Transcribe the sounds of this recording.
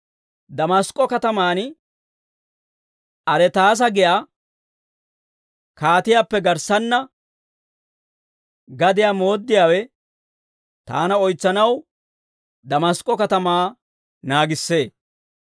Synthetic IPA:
d̪ɐmɐskʼːɔkɐt̪ɐmaːn | ʔɐɾɛt̪aːs̬ɐɡɪjaː | kaːt̪ɪjaːpːɛɡɐɾsɐnːɐ | ɡɐd̪ɪjaːmoːd̪ːɪjaːwɛ | t̪a̰ːnɐɔjt͡sːɐnɐw | d̪ɐmɐskʼːɔkɐt̪ɐmaː | naːɡɪsːe̞ː

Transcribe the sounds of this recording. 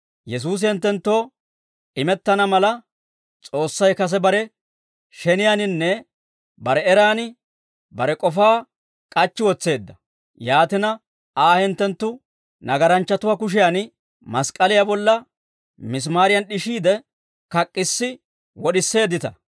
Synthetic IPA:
jɛs̬uːs̬ɛnt̪ːɛnt̪ːo̞ː | ɪmɛt̪ːɐnɐmɐlɐ | t͡sʼo̞ːsːɐjkɐs̬ɛbɐɾɛ | ʃɛnɪjanɪnːɛ | bɐɾɛɛɾaːnɪ | bɐɾɛkʼɔfaː | kʼɐt͡ʃːɪwɔt͡sːe̞ːd̪ːɐ | jaːt̪ɪnɐ | aːhɛnt̪ːɛnt̪ːʊ | nɐɡɐɾɐnt͡ʃːɐt̪ʊwakʊʃ̬ɪjan | mɐskʼɐlɪjabɔlːɐ | mɪs̬maːɾɪjɐnɗɪʃiːd̪ɛ | kɐkʼːɪsːɪ | wɔɗɪsːe̞ːd̪ːɪt̪ɐ

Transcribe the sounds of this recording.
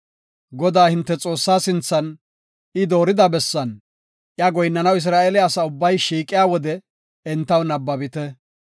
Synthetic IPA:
ɡɔd̪aːhɪnt̪ːɛt͡sʼo̞ːsːaːsɪnt͡sːɐn | ɪd̪o̞ːɾɪd̪ɐbɛsːɐn | ʔjɐɡɔjnːɐnɐwɪs̬ɾaːʔelɪɐsɐʊbːɐjʃiːkʼːɪjaːwɔd̪ɛ | ɛnt̪ːɐwnɐbːɐbɪt̪ɛ

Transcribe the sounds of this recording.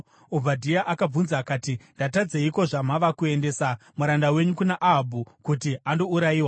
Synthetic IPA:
ob͡vadʱiaʔakab͡vunzaːkaːtindatad͡zeiko̞ʐamaʋakue̞nde̞ːsamuɾandawe̞ɲukunaʔaɦbʱukutiando̞uɾaiːwa

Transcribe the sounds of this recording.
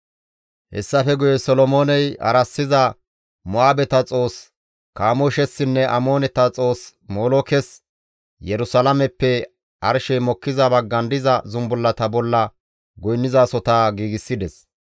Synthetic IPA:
hɛ̰sːɐfɛɡʊjɛsɔlɔmoːnɛjɐ̰ɾɐsːɪzɐ | mʊaːbɛt̪ɐt͡sʼo̞ːs | kaːmɔʃɛsːɪnːɛʔɐ̰mo̞ːnɛt̪ɐt͡sʼo̞ːs | moːlokɛs | jɛɾʊsɐlɐmɛpːɛ | ʔɐɾʃɛjmɔkːɪzɐbɐɡːɐnd̪ɪzɐzʊmbʊlːɐt̪ɐbɔlːɐ | ɡɔjnːɪzaːsɔt̪aːɡiːɡɪsːɪd̪ɛs

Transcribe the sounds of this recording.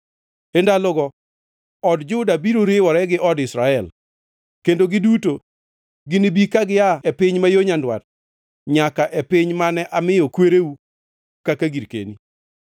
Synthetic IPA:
endalʊɡɔ | ɔdd͡ʒʊdabiɾoɾewɔɾɛɡɪʔɔdɪsɾaɛl | kendoɡɪduto | ɡɪnibikaɡɪaɛpɪɲmajoɲandwa̰t̚ | ɲakaʔɛpɪɲmanɛʔamɪjɔkweɾeu | kakaɡiɾkḛni

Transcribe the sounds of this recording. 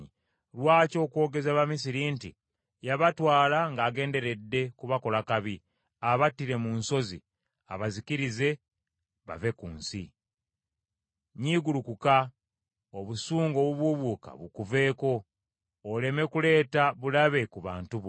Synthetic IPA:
i | lwaːco̞ːkwoːɡe̞zaβamis̬iɾintḭ | jaβatwaːlaŋɡaːɡe̞ːnde̞ɾe̞dːe̞kuβako̞lakaβi | aβatiɾe̞munso̞zḭ | aβaziciɾize̞ | βa̰ve̞kuːnsḭ | ɲiːɡulukuka | oβusuːŋɡo̞ːβuβuβuka̰βukuve̞ːko̞ː | le̞me̞kule̞ːtaβulaβe̞kuβa̰ːntuβo

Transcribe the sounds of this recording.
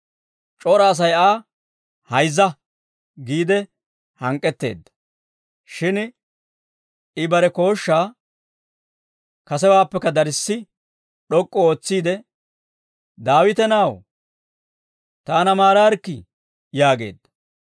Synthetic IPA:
t͡ʃʼoːɾɐːs̬ɐjaː | hɐjzːɐ | ɡiːd̪ɛ | hɐŋkʼːɛt̪ːe̞̰ːd̪ːɐ̥ | ʃɪn | ɪbɐɾɛko̞ːʃːaː | kɐsɛwaːpːɛkːɐd̪ɐɾɪsːɪ | ɗɔkʼːɔo̞ːt͡sːiːd̪ɛ | d̪aːwɪt̪ɛnaw | t̪aːnɐmaːɾaːɾkːɪ | jaːɡe̞̰ːd̪ːɐ̥

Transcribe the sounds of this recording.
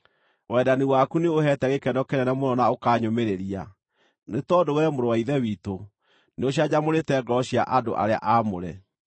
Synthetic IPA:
wɛdaniwakuneoɦɛtɛɣekɛndɔkɛɾɛnɛmonɔnaokaːɲomeɾeɾia | netɔdowɛɾɛmoɾowaiðɛwiːto | neoɕ̬iad͡ʑamoɾetɛːɡɔɕia̰ʔado̰ʔa̰ɾea̰ʔamo̰ɾɛ̰

